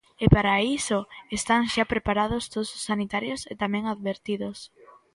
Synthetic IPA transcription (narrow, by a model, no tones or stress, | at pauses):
epaɾaisoest̪aŋʃapɾepaɾað̞ost̪oðosʊsːanit̪aɾjoset̪amɛ̃ŋaðβeɾt̪iðos